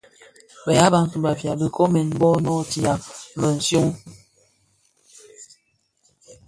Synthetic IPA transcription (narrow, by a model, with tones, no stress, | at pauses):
bə˨ja˦ba˦ŋ˨tu˨ba˨vja˨bə˨kɔ˦mɛ˨n˦bɔ˦nɔ˦ti˨a˨˦bə˨n̩˨sju˦ŋ